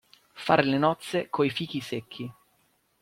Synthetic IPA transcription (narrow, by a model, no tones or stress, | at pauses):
fa̰ːɾelenɔt̪sːekʰoifiːk̟isekʰːi